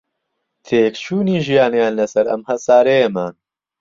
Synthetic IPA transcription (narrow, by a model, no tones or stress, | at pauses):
t̪ʰeːkt͡ʃʰuːniːʒijaːnɐjaːnlɐsɐɾɐ̰mhɐsaːɾejɐmaːn